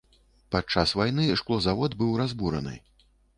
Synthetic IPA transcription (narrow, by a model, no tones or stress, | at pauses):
pat͡ʂasvajnɨʂklˠɔzavɔd̪bɨwrazbuɾɐ̰nɨ̰